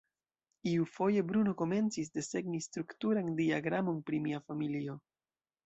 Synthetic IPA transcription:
iufo̞je̞bɾuno̞ko̞me̞nt͡sis̬de̞se̞ɡnistɾuktuɾandiaɡɾamo̞npɾimiafamilio̞

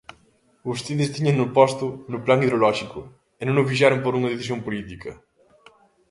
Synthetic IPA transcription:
ust̪eðɪst̪iɲɐŋnʊpɔst̪ʊnʊplaŋiðɾolɔʃikʊ | ɪnõŋʊfiʃ̬aɾʊmpoɾuŋɐðeθisjompolit̪ikʰɐ

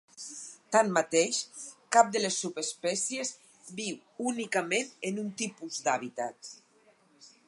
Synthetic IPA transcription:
t̪anmat̪eʃkap̚d̪əlesːupespɛsjez | biw | unikamenenunt̪ipuzd̪aβit̪at̪̚

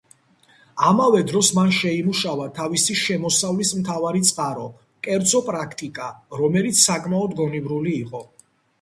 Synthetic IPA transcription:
amavɛd̪ɾɔsmanʃɛimuʃavat̪ʰavisiʃɛmɔsavlismt̪ʰavaɾit̪sʼqʼaɾɔ | kʼɛɾd̪zɔpʼɾakʰt̪ʼikʼaɾɔmɛlit̪sʰsːakʼmaɔd̪ɡɔnibɾuliːqʼɔ

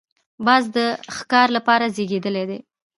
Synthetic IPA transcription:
bɑzd̪əxkɑɾlapɑɾazeɡed̪əled̪e

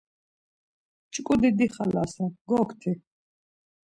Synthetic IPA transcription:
t͡ʃʼkʼud̪id̪iχalasaɡɔkʰt̪ʰi

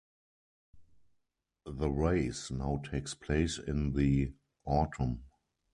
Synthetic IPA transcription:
ðəɹeɪsnaʊtʰeɪkspʰleɪsɪ̰̃nði | ʔɔtʰə̃m

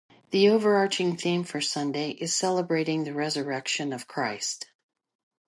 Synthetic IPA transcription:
ðioʊvə˞ɑɹt͡ʃɪ̃ŋθĩɱfə˞sʌ̃ndeɪʔɨz̥sɛlˠəbɹeɪɾɪ̃ŋðɨɹɛzə˞ɛkʃɨ̃nʌv̥kʰɹ̥aɪst

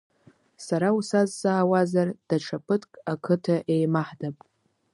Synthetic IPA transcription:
saɾausazːaːwazard̥aʈ͡ʂʰapʰɨtʰkʼakʰɨtʰaʔe̞jmaħdapʼ

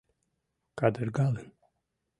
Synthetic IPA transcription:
kʼad̪əɾɡalɛn

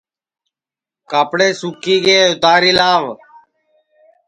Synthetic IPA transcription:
kaːpɽeːsuːkiːɡeːʊt̪aːɾiːlaːʋ

